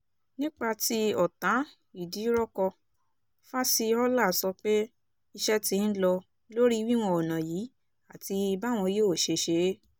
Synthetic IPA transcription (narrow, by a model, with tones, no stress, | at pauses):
nĩ˦k͡pa˧ti˦ɔ˨tã˨˦ | i˨di˨˦ɾɔ˦kɔ˧ | fa˦si˧ɔ˦la˦˨sɔ˧k͡pe˦ | i˧ʃɛ˦tĩ˧˦n̩˦lɔ˧ | lo˦ɾi˦˧wi˦w̃ɔ̃˧ɔ˨nã˨jiː˨˦ | a˦˨ti˧ba˦˨w̃ɔ̃˧jo˦˨ʃe˧ʃe˧˦